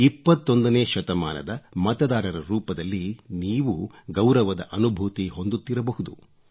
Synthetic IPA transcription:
ipːɐt̪ːo̞nd̪ɐneːʃɐt̪ɐma̰ːnɐ̰d̪ɐmɐt̪ɐd̪aːɾɐɾɐɾuːpɐd̪ɐlːiniːʋuɡɐwɾɐʋɐd̪ɐ̰ʔɐnubʱuːt̪iɦo̞nd̪ut̪ːiɾɐbɐɦud̪u

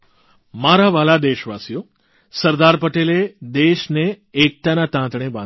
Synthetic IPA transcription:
maɾaʋalad̪eʃʋasijo | səɾd̪aɾpəʈeled̪eʃneː | k̚t̪anat̪ãt̪ɳ̃ebã

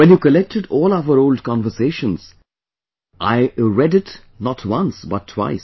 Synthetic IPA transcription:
wɛ̃njuːkəlɛk̚tʰɪɖɔːlaʋəɾoʊld̚kɔ̃nʋəseːʃə̃nz̥ | ʔa̰ɪɹɛdɪt | nɔtʰwʌ̃nsbʌtʰːwa̰ɪs

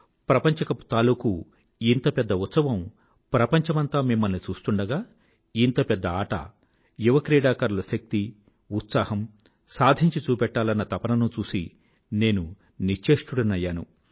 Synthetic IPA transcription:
pɾɐpɐɲt͡ʃɐkɐpu̥t̪aːluːku | int̪ɐpɛd̪ːɐut̪sɐʋɐm | pɾɐpɐɲt͡ʃɐmɐnt̪aːmimːɐlnit͡ʃuːst̪uɳɖɐɡaː | int̪ɐpɛd̪ːɐaːʈɐ̰ | juʋɐkɾiːɽaːkɐɾulɐʃɐk̚t̪i | ut̪saːhɐm | saːd̪ʱiɲt͡ʃit͡ʃuːpɛʈːaːlɐnːɐt̪ɐpɐnɐnut͡ʃuːsi | ne̞ːnu | nit͡ʃeːʂʈuɽɐnɐjːaːnṵ

